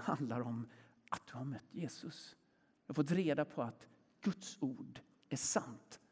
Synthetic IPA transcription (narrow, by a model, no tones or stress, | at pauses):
ha̰nd̪laɾɔm | at̪̚d̪̥ɵhaɾmœt̪ʰːjeːsɵs | jɑfɔt̪̬ɾeːd̪apʰɔat̪ | ɡ̥ɵt̪suːɖ | æʂant̪